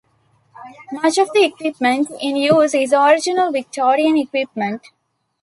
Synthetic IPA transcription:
mʌt͡ʃɔʋd̪iekʋɪpmə̃ɳʈɪ̃njuːzɖɪzɔɾɪd͡ʒɪnəlʋɪk̚ʈʰɔːɾiə̃nekʋɪp̚mə̃ɳʈ

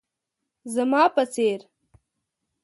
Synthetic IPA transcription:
zɐmɑːpɐt͡seːɾ

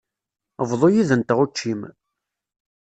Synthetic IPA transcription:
əvðˤojiðənt̪əʁut͡ʃːim

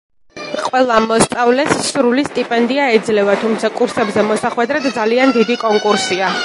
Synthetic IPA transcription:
qʼwɛlˠamɔst̪sʼavlɛsːɾulist̪ʼipʼɛnd̪iaɛd̪zlɛvat̪ʰumt̪sʰakʼuɾsɛbzɛmɔsaχwɛd̪ɾad̪d̪zaliand̪id̪ikʼɔŋkʼuɾsia

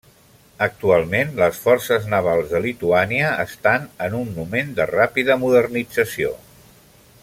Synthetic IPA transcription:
ək̚t̪ualˠmenləsfɔrsəznəβ̞alˠzðəlit̪uaniəə̰st̪anənunːumend̪ərapiðəmuðərnid͡zəsio̰

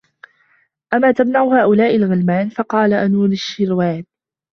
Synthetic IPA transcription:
ʔamːaːt̪amnaʕʊhaːʔʊlaːʔɪlɣɪlmaːnfɑqɑːlaʔanuːɾɪʃːɪɾwaːb̚

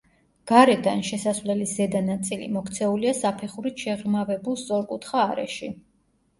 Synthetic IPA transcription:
ɡ̥aɾɛd̪anʃɛsasvlɛlisz̥ɛd̪anat̪sʼilḭmɔkʰt̪sʰɛuliasapʰɛχuɾit̪ʃɛʁmavɛbulˠst̪sʼɔɾkʼut̪ʰχaːɾɛ̰ʃi

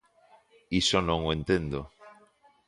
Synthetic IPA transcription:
iʃonõŋoẽnt̪end̪o

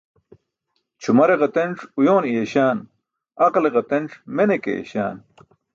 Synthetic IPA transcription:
t͡ɕʰumɐɾeʁɐt̪enʈ͡ʂujoːnijeɕaːn | ɐqleʁɐt̪enʈ͡ʂmenekḛjḛɕa̰ːn

